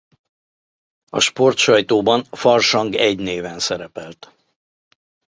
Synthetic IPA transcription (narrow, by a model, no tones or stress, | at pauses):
ɒ̰ʃpo̞rt̪ʃɒjt̪oːbɒnfɒrʃɒŋɡɛɟneːvɛnsɛɾɛpɛlt̪